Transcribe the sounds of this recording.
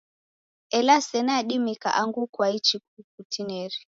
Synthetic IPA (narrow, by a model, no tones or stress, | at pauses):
ɛlasɛnaɗimika̰ʔaŋɡukwait͡ʃikukutinɛɾi